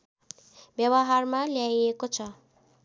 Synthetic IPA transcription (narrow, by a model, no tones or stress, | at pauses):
bjʌbʌɦarmaljajekot͡sʰʌ